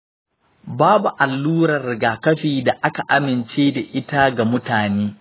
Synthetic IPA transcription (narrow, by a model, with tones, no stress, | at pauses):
baː˦bu˨ʔa˨lːuː˦ɾɐ˨rɡaː˨kɐ˦ɸiː˨da˨ʔa˦ka˨ʔa˦mɪ˨nt͡ʃeː˦da˨ʔɪ˦ta˦ɡa˨mʊ˦taː˨neː˦